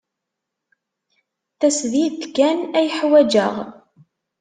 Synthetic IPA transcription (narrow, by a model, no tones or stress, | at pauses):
θæsðit̪kænæjəħwæd͡ʒəʁ